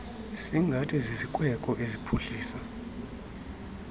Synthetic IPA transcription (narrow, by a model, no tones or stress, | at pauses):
siŋɡʱatʰʼizizikʼwɛkʼɔʔezipʰuɬiːsa